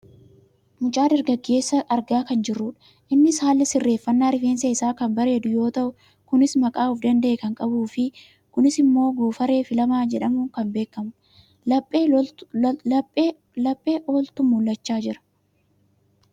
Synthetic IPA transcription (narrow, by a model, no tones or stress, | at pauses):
mʊt͡ʃʼaːd̪ɐɾɡɐɡːe̞ːsːɐʔɐɾɡaːkɐnd͡ʒɪrːʊᶑ | ʔɪnːɪshaːlːɪsɪrːe̞ːfːɐnːaːɾɪfeːnseɪsaːkɐmbɐɾe̞ːd̪ʊjo̞ːt̪ɐʔʊ | kʊnɪsmɐkʼaːʊfd̪ɐnd̪ɐʔeːkɐŋkʼɐbuːfɪ | kʊnɪsɪmːo̞ːɡuːfɐɾe̞ːfɪlɐmaːd͡ʒɛᶑɐmuːŋkɐmbe̞ːkːɐmʊ | lɐpʼːeː | ɐpʼːeː | lɐpʼːe̞ːʔoːlt̪ʊmʊlːɐt͡ʃːaːd͡ʒɪɾɐ̥